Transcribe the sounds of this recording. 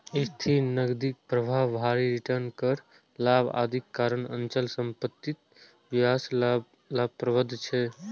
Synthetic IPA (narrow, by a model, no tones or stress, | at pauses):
ist̪ʰinəɡd̪ik̚pɾəbʱaːaɾiɾiʈəɾnkəɾ | laba̰ːd̪ʱikːaɾəɳə̰nt͡ʃəlsəmpət̪ːit̪ | bias | labpɾəbəd̪ʱːt͡ʃʰɛ